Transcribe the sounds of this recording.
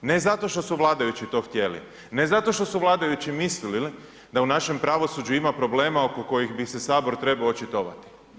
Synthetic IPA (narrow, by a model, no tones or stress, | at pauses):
ne̞zat̪o̞ʃt̪o̞suʋlˠaːd̪ajut͡ɕit̪o̞ːxt̪je̞lḭ | ne̞zat̪o̞ʃt̪o̞suʋlˠaːd̪ajut͡ɕimislilili | d̪aunaʃe̞mpɾaʋo̞sud͡ʑuimapɾo̞ble̞ːmaokoko̞jixbisesaːbo̞ɾt̪ɾe̞baoot͡ʃit̪oʋa̰t̪i̥